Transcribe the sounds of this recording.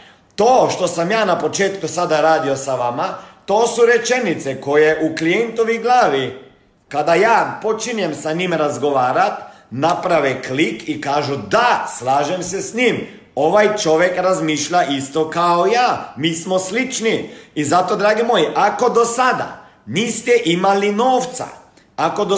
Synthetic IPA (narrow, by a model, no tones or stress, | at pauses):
t̪o̞ːʃt̪o̞samjaːnapo̞t͡ʃe̞ːt̪kusad̪aɾaːd̪io̞saʋamat̪o̞ːsuɾe̞t͡ʃe̞nit̪seko̞jeʔuklient̪oʋiɡlˠaːʋi | kad̪ajaːpo̞t͡ʃiɲe̞msaɲiːmɾazɡo̞ʋaːɾat̪ | napɾaʋeklikikaːʒud̪aslaːʒemsesɲim | o̞ʋajt͡ʃo̞ʋjekɾazmiːʃʎaʔist̪o̞kaojaːmiːsmoslit͡ʃniizat̪od̪ɾaːɡimojiʔako̞d̪o̞sad̪a̰ | niːst̪ɛʔimalinoːft̪sa̰ | ako̞d̪o